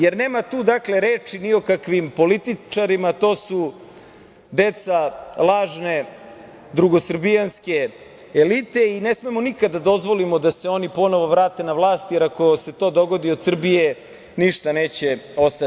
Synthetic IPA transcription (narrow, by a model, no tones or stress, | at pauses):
jeɾne̞ːmat̪uːd̪akle̞ɾeːt͡ʂinio̞kakʋimpo̞lit̪it͡ʃaɾimat̪o̞ːsu | d̪e̞t̪salˠaːʒne̞ | d̪ɾuɡosr̩bijanske̞ː | lit̪e̞ine̞smemonikad̪ːad̪o̞zʋolimod̪ase̞o̞nipo̞no̞ʋo̞ʋɾaːt̪e̞naʋlˠaːst̪jeɾako̞se̞t̪o̞ːd̪o̞ɡo̞d̪iod̪sr̩bije | niʂt̪aneːt͡ɕeo̞st̪a